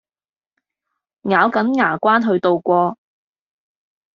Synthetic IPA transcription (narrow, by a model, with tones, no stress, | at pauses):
ŋaː˨˧wkɐ˨˥nŋaː˨˩kʷaː˥nɦɵ˧ɥt̪o˨wkʷɔː˧